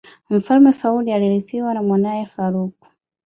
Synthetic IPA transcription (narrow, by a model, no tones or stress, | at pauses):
m̩falmɛfaulialiliθiwanamwanajɛfaɾuku̥